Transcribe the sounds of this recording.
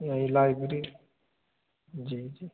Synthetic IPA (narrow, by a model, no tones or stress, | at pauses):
jãĩlajbɾi | d͡ʒid͡ʒi